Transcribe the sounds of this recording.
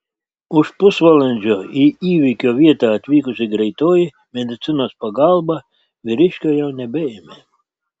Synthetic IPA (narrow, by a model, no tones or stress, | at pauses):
uʃpusʋalˠɛnʲd͡ʒʲɔiiːvʲikʲɔːvʲiɛt̪aːt̪ʲʋʲiːkusʲiɡɾɛjt̪ɔːji | mʲɛd̪ɨt̪sɨnɔːspaɡalˠba | vʲiɾiʃʲkʲɔjawnʲɛbʲɛjɛmʲɛ